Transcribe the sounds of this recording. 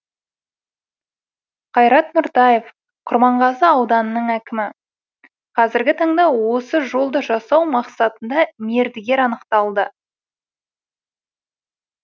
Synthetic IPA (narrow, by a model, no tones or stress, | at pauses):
qʰɑjɾɑt̪mʊɾt̪ɑje̞f | qʰʊɾmɑɴʁɑzəɑwd̪ɑnənəɴækʲɪmɪ | qʰɑzɪɾɡʲɪt̪ʰɑɴd̪ɑwo̞səʒo̞lˠd̪əʒɑsɑwmɑqsɑt̪ənd̪ɑmeɾd̪ɪɡʲe̞ɾɑnəqt̪ɑlˠd̪ə